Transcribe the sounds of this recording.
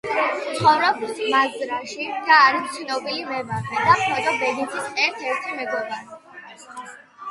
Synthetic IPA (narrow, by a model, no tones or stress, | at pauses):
t̪sχɔvɾɔbmazzɾaʃid̪aːɾist̪sʰnɔbilimɛvavɛd̪aχʰmɔt̪ʼɔbɛd̪it̪ʰisʼɛɾt̪ʰɛɾt̪ʰimɛɡɔbaɾi